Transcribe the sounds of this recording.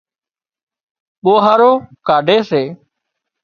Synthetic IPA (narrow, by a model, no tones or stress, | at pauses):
ɓoːɦaːɾoːkaːɖʱeːseː